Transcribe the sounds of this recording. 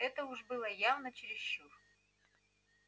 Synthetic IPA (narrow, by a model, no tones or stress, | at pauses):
ɛt̪əʊʐbɨlˠəjavnət͡ɕɪɾʲɪsɕːur